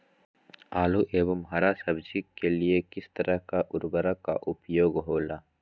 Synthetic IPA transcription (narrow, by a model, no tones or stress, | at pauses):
aːluʔeːʋəmɦɐɾasɐbd͡ʒikːeliekɪst̪ɐɾʔəɦkaʔʊɾbəɾaka̰ʔʊpjoːɡɦoːlaː